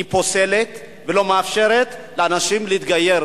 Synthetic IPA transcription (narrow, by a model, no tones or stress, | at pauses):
ipose̞let̪ | velo̞meafʃe̞ʁet̪leanaʃimleit̪ɡaje̞ʁ